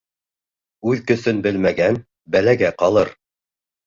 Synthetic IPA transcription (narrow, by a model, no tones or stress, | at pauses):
ʉðkɵ̆θɵnbɘlmæɡæn | bælæɡæqɑlˠɤɾ